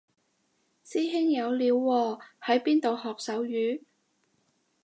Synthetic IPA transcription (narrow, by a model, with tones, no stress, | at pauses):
siː˥ɦɪ˥ŋjɐ˨˧wliː˨˧wːɔː˧hɐ˨˥jpiː˥nt̪o˨˧whɔː˨k̚sɐ˨˥wjyː˨˥